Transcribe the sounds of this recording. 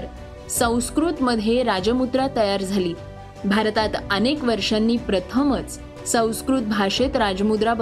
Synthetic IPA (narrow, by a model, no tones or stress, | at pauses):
ɾ | sə̃w̃skɾut̪məd̪ʱjeɾad͡ʑəmud̪ɾat̪əjaɾd͡zʱaliː | bʱaɾt̪at̪ənekʋəɾʂanːiːpɾət̪ʰəmət͡s | sə̃w̃skɾut̪̚bʱaʂet̪ɾad͡ʑəmud̪ɾab